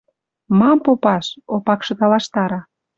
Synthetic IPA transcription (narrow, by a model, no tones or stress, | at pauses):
mɑmpopɑʃopɑkʃɤ̆t̪ɑlɑʃt̪ɑɾɑ